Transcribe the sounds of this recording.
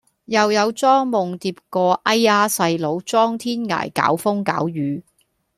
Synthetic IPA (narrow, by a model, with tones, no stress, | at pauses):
jɐ˨wjɐ˨˧wt͡sɔː˥ŋmʊ˨ŋt̪iː˧p̚kɔː˧ʔɐ˥jaː˥sɐ˧jlo˨˧wt͡sɔː˥ŋt̪ʰiː˥nŋa̰ː˨˩jka̰ː˨˥wfʊ˥ŋka̰ː˨˥wjyː˨˥